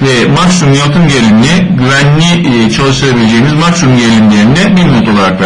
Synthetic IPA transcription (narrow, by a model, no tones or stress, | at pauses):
vɛ | maksumjalˠt̪ʰɯmɟelʲimlʲɛ | ɟyvænlʲi | t͡ʃʰalˠɯʃt̪ʰɯɾabilʲe̞d͡ʒe̞jimizmaksumɟelʲimdʲeɾind̪ɛbilmot̪ʰolˠaɾakla